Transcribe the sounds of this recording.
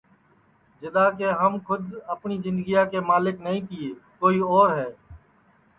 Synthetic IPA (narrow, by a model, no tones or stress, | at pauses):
d͡ʒɪd̪aːkeːɦəmkʰʊd̪əpniːzɪ̃nd̪ɡijaːkeːmaːlɪknəɦĩːt̪iːeːkoːiːɔːɾɦɛː